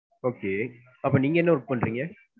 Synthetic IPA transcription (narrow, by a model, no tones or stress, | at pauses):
oːkeː | ɐpːõːniːŋɡɐɛnːɐʊɾɯkːɯpːɐɳɖɾiːŋɡɐ